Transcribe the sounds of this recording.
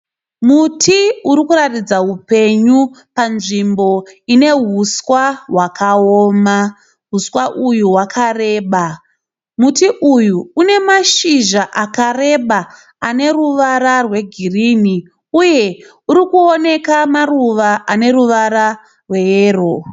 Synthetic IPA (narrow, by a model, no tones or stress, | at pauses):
mutʰiuɾikuɾatid͡zaɦupe̞ɲu | panʐimbo̞ine̞ɦuswaɦwakaoːma | ɦuswaʔujuwakʰare̞ːɓa | mutiʔujuːne̞maʃiʒaʔakare̞ɓa | ane̞ruʋaɾarwe̞ɡʱirini | uje̞ | uɾikuone̞kamaruʋaʔane̞ɾuʋaɾa | rwe̞eːro